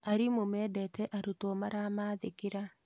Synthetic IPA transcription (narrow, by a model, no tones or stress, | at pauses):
aɾimomɛːdɛtɛʔaɾutomaɾamaðekiɾa